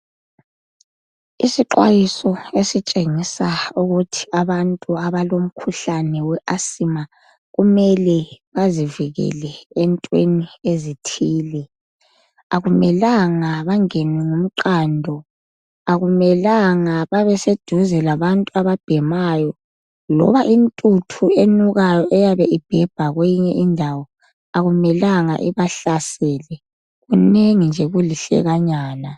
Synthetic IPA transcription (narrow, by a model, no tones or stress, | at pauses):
isiǃwa̰jisɔesit͡ʃʼeŋisauɣutʰi̥aβantʼuaβalom̩kʰuɬanɛwɛʔasima | ɣumɛlɛβaziviɣɛ̰lɛːntʼweniezitʰiːlɛ | aɣumɛlaŋaβaŋɛnɛŋum̩ǃaːndʱɔ | aɣumɛlaŋaβaβɛsed̥ʱuzɛlaβantʼuaβab̥ʱɛmajɔ | lɔ̰βaʔintʼutʰuenuɣajɔʔɛjaβɛʔib̥ʱɛb̥ʱaɣwejiɲɛʔindʱawɔ | aɣumɛlaŋa̰ʔiβaɬasɛːlɛ | ɣuneŋind͡ʒʱɛɣuliɬɛ̰ɣaɲaːna